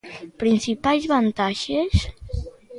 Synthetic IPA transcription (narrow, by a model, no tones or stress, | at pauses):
pɾinsipalzβant̪aʃes